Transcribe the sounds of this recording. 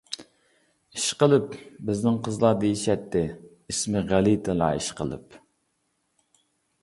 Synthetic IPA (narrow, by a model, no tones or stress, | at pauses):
iʃqəlˠɨpbɪznɪŋqʰəzlˠɑd̪ejiʃɛt̪ʰːɪ | ismɪʁælit̪ʰɨlˠɑ̰ːiʃqʰə̰lˠɨ̰p